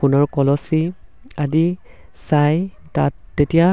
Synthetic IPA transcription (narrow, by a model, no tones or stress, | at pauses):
unɔɹkɔlɔsi | adi | saj | tatːetija